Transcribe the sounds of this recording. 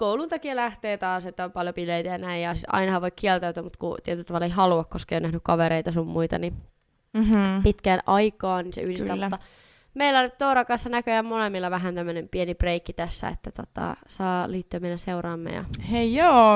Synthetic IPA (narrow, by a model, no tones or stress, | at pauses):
koulunt̪ɑkiɑlæht̪eːt̪ɑːset̪ːæompɑljopileit̪æjɑnæijjɑsit̪ɑ̰inɑhɑʋoikiɛlt̪æyt̪æmut̪kṵt̪iɛt̪ylt̪ɑʋɑlːeiɦɑluɑkkoskɑeionæhnykkɑʋeɾeit̪ɑsummuit̪ɑ̰ni | pit̪kænʔɑikɑːniːnsḛyhdisæːmut̪ːɑ | meilːæolyt̪t̪ouɾɑkɑsːɑnækøjɑmmolemːilːɑʋæɦænt̪æmːønempienibreikːit̪æsːæ̰ḛt̪ːæt̪o̰t̪ɑ̰sɑːliːt̪ːøæmeinæseurɑːmːḛjɑ̰heijjoː